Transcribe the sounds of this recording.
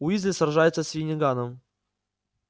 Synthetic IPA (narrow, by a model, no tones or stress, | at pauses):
uizʲnʲɪsrʐajɪt̪səsʲvʲɪnʲɪɡanəm